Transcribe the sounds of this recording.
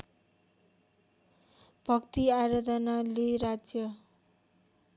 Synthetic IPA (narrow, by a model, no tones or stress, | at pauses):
bʱʌkt̪iaɾʌd͡zʌnaleɾad͡zjʌ